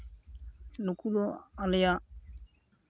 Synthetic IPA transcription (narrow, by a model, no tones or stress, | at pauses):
nukuloalɪja